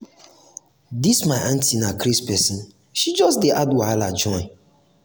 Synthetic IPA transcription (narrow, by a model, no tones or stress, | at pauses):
dismaɪʔãntinakɾispɛsĩn̩ | ʃid͡ʒɔstdeʔadwalad͡ʒɔɪ̃